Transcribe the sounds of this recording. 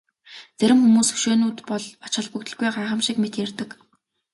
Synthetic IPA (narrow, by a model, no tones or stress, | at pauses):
t͡sæɾʲɪ̆mxumuːsɵ̥ʃeːnuːt̪pɔɮɔt͡ɕɪ̆ɮpukt̪ɵ̆ɮɡujɢaɾχə̆mʃĭkmet̪jært̪ɘ̆k